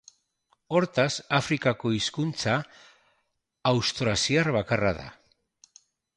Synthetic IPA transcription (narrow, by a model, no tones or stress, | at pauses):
o̞ɾt̪asafɾikako̞iskunt͡sa | wst̪ɾasiaɾβakarað̞a̰